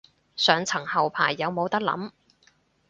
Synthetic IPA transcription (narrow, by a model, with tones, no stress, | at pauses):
sœː˨˧ŋt͡sʰɐ˨˩ŋhɐ˨wpʰa̰ː˨˩jːɐ˨˧wmo˨˧wt̪ɐ˥k̚lɐ̰˨˥m